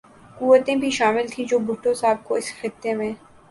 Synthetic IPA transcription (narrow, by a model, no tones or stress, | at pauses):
kuːʋət̪ẽbʱiʃaːmɪlt̪ʰĩd͡ʒoːbʱʊʈːõsaːb̚koɪsxɪt̪ːemẽ